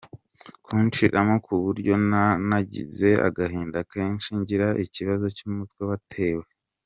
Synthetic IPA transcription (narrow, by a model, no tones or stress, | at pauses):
kʰuːnt͡ʃiɾʔamokʰuβuɾɟo̞nanaɟḭze̞a̰ɡahiːndakʰeːnt͡ʃiɲɟiɾaʔiciβazo̞cumutkweβatʰe̞ːwe̞